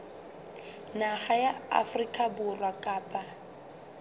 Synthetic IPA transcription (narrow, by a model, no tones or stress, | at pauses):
naχajaa̰frikʼabʊrwakʼaːpʼa